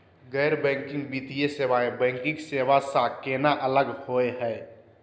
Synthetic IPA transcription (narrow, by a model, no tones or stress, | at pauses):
ɡɛːɾbɛ̃ːŋkɪ̃ŋɡbiːt̪ieseʋaebɛ̃ːŋkɪ̃ŋkseʋasakenaʔələɡhoeɦɛ